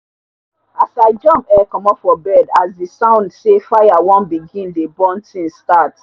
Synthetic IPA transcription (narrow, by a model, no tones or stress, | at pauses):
asaɪd͡ʒɔ̃mpɛkɔ̃mɔpfɔbɛdasdisãʊ̃ndsefaɪjawɔ̃nbiɡĩndebɔ̃ntĩnstat